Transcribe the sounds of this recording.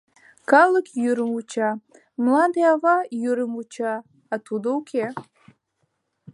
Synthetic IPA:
kʰalɨkʲʰjyɾɨmut͡ʃʰa | mlad̪ɨavajyɾɨmut͡ʃʰaː | tʰud̪owkʲʰe

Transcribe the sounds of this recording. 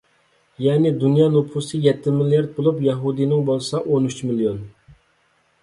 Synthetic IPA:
jɛnɪd̪unjɑːnopʰusɨjɛt̪ʰːɪmilijɑɾd̪̚bolˠupjɑɦud̪inɪŋbolˠsɑʔonyt͡ʃmilˠijon

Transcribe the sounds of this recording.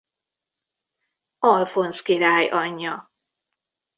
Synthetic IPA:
ɒlfo̞nskiɾaːjʔɒɲːɒ

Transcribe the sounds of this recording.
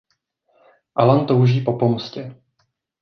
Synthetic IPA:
ʔalant̪owʒiːpo̞po̞mscɛ

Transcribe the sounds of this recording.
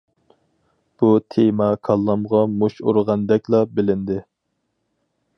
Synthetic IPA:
b̥ut̪ʰemɑkʰɑlˠːɑmʁɑmoʃo̰ɾʁɑnd̪ɛkʲlˠɑbɪlɪnd̪ɪ

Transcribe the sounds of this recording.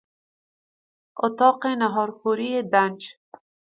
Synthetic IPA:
ʊt̪ɑːqenaɦɔːɾxuɾied̪and͡ʒ

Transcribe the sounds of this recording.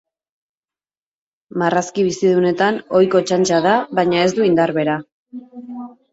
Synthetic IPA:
maraskiβ̞isiðune̞t̪ano̞jko̞t͡ʃant͡ʃaðaβajɲae̞zd̪uind̪aɾβe̞ɾa

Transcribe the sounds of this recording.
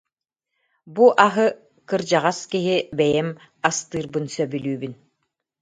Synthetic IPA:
buʔaɦɯ | kɯɾd͡ʑaʁaskiɦibɛjɛm | ast̪ɯːɾbɯnsœbylʲyːbyn

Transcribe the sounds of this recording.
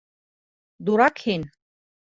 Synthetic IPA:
d̪uɾakʰin

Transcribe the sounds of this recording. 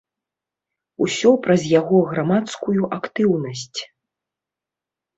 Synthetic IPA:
usʲɔpɾɐzʲjaɣɔɣɾamat̪skujuʔakt̪ɨwnɐsʲt͡sʲ

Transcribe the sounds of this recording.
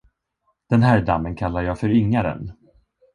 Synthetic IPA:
d̪̥ɛnɦæːɖamːənkʰalːaɾjɑːfœɾʏŋːaɾə̰n

